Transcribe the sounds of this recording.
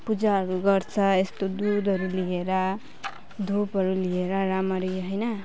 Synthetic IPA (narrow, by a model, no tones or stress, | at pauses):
pud͡zaɦʌɾuɡʌrt͡sʰʌest̪od̪ud̪ʌɾulieɾʌ | d̪ʱupɦʌɾulieɾʌɾamʌɾiɦʌjnʌ